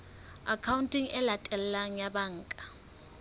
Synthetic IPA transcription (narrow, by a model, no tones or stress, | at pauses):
akʰawuntʼiŋɛlatʼɛllaŋjaɓaŋ̩ːkʼḁ